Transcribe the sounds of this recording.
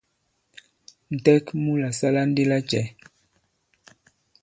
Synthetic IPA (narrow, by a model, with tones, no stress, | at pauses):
n̩˨tɛ˦kmu˦la˨sa˦la˦n̩˦di˦la˦t͡ʃɛ˨˦